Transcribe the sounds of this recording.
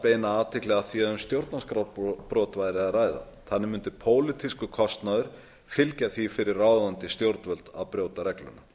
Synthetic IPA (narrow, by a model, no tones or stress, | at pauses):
peːjnaaːt̪ʰɪklɛɣaθiaðʏmst̪jowɾt̪naskɾawpɾɔːwt̪vajɾɪaraːjða̰ | θanːɪmʏnt̪ɪpʰoːwlɪt̪ʰiskʏkʰɔst̪naðʏɾ̥ | fɪlcaθifɪɾɪrːaːwðant̪ɪst̪jowɾt̪nvœlt̪a̰ðpɾjoːwt̪aɾɛklʏ̰nːa